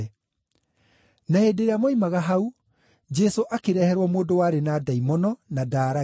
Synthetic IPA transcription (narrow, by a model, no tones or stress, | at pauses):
naheːdeɾeamoimaɣaɦau | d͡ʒɛsoʔakeɾɛhɛɾwɔmoːdowaːɾenaːdaimɔnɔnadaːɾa